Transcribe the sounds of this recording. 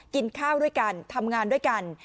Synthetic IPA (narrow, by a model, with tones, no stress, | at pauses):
ki˧nkʰaː˥˩wdu˥˩əjka˧nt̪ʰa˧mŋaː˧ndu˥˩əjka˧n